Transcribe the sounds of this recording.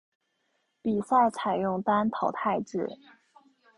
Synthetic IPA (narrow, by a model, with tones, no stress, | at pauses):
pi˨˩sa˥˩t͡sʰa˨˩ɪjʊ˥˩ŋt̪a˥nt̪ʰɑ˨˧˩ʊt̪ʰa˥˧ɪʈ͡ʂɻ̩˥˩